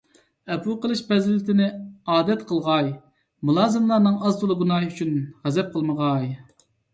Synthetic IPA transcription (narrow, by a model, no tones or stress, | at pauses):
ɛpʰuqəlˠɨʃpɛzlɪt̪ʰɪnɪɑːd̪ɛt̪qʰəlˠʁɑj | mulˠɑːzɨmlˠɑɾnɨŋɑzt̪ʰulˠɨɡunɑɦyt͡ʃʰynʁɛzɛp̚qʰəlˠməʁɑj